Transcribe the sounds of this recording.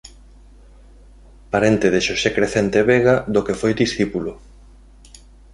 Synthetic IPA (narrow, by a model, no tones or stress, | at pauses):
paɾent̪eðeʃosekɾeθent̪eβeɣad̪okefojd̪isθipulo